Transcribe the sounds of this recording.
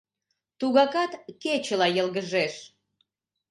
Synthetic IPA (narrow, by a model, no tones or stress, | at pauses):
t̪uɣɑkɑt̪ket͡ɕəlɑjəlɣəʒeʃ